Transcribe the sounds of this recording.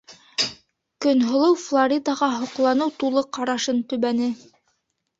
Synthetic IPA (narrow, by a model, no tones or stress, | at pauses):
kɵ̆nɦŏlˠɤwflˠoɾʲid̪ɑʁɑɦŏqlˠɑnɤwt̪ulˠɤqɑɾɑʃɤnt̪ɵ̆βænɘ